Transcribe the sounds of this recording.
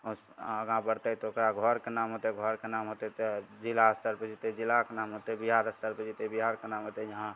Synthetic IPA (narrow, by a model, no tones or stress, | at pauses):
əɡãbəɾt̪ət̪ookɾaɡʱɔɾkenaːmɦot̪eɡʱɔɾkenamɦot̪et̪d͡ʒilaəst̪əɾpəd͡ʒit̪ed͡ʒilakenaːmɦot̪ebiɦaɾəst̪əɾpəd͡ʒit̪ebiɦaɾkenaːmɦot̪ejəɦã